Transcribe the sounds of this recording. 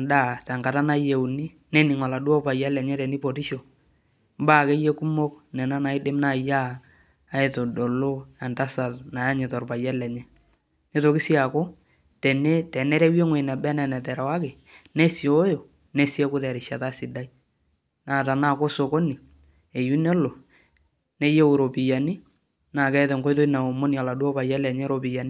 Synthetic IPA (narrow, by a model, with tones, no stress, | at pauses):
da˦˨tɛ˨ŋka˨ta˦na˦je˨u˨ni˦ | nɛ˦nɪ˨ŋɔ˨la˨du˦ɔ˦pa˨ja˦lɛ˨ɲɛ˦tɛ˨ni˦po˨ti˦ʃo˨ | mbaː˦ke˦je˦ku˦mo˦knɛ˨na˦na˨ɪ˦dɪ˦mna˦˨jaː˦ | e˨to˨do˨lo˦a˨nta˦sa˨tna˨ja˦ɲɪ˨tɔ˨rpa˨ja˦lɛ˨ɲɛ˦ | nɪ˦to˨kɪ˦si˦a˨ko˦ | tɛ˨ne˦tɛ˨nɛ˦ɾɛ˦we˦ŋwe˨nɛ˨bɛ˦nɛ˨nɛ˨tɛ˨ɾa˨wa˦kɪ˨ | nɛ˦si˨o˦jo˨ | nɛ˦si˦ɛ˦kʊ˦tɛ˨ɾɪ˨ʃa˨ta˦sɪ˨da˦i˦ | na˦˨ta˨na˦˨ko˦so˨ko˦ni˨ | e˨ju˦nɛ˦lo˨ | nɛ˦je˦wu˨ɾo˨pɪ˨ja˨ni˦ | na˨kɛ˦tɛ˨ŋɡo˦jt̬o˦na˨o˨mo˦nja˨la˨do˦pa˨ja˦lɛ˨ɲɛ˦ɾo˨pɪ˨ja˨ni˦